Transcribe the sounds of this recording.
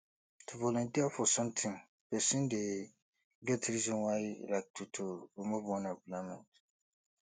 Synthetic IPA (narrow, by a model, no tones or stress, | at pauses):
tʰuvɔlɔ̃ntiafɔsʌ̃mtʰĩŋ | pɛsĩnde | ɡɛtɾizɔ̃nwaɪlak̚tʰutʰuɹimuvwɔ̃neɡulamɛ̃nt